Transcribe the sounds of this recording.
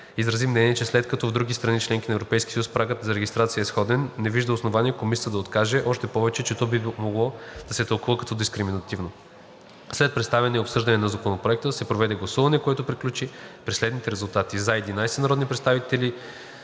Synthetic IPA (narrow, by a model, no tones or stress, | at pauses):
izɾɐzimnɛniɛt͡ʃɛslɛt̪kɐt̪ɔvd̪ɾuɡʲist̪ɾɐnit͡ʃlɛŋkʲinɐɛvɾopɛjskʲi̥sjuspɾaɡət̪zɐɾɛɡʲist̪ɾat̪sijəɛsxɔd̪ɛnːɛviʒd̪əosnovaniɛkomisʲə̥t̪əd̪ɐot̪kaʒɛʔɔʃt̪ɛpɔvɛt͡ʃɛt͡ʃɛt̪ɔbimoɡlˠɔd̪̥ɐsɛt̪ɐlˠkuvəkɐt̪ɔd̪iskɾiminɐt̪ivno | slɛt̪̚pɾɛt̪st̪avɛnɛopsɤʒd̪ɐnɛnɐzɐkonopɾoɛk̚t̪əsɛpɾovɛd̪ɛɡlˠɐsuvɐnɛkoɛt̪opɾiklʲut͡ʃipɾɛslɛd̪nit̪ɛɾɛzulˠt̪at̪izaɛd̪inajsɛnɐɾɔd̪nipɾɛt̪st̪avit̪ɛli